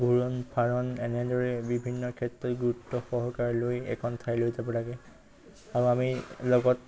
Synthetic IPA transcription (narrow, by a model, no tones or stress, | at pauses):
ɡʱuɹɔnpʰaɹɔnɛnɛdɔɹɛbibʱinːɔkʰɛtɹɔtɡuɹutːɔxɔɦɔkaɹlojɛ̰kʰɔntʰajlojzabɔlaɡɛ | aɹuamilɔɡɔt